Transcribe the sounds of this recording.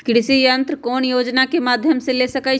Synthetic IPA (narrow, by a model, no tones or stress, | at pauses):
kɪɽɪsijɐnt̪ɾkɔːnjoːd͡ʒnakemaːd̪ʱjəmselesɐkai